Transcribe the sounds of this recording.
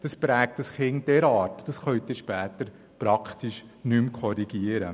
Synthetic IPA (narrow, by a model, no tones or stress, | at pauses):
d̥ɑspɾæːk̚tɑsχɪnd̥ɛɾɑːɾtd̥ɑsχœʏt̪ɪʃpæːt̪əɾ | pɾɑkχtiʃnymkʰɔɾiɡ̥iəɾə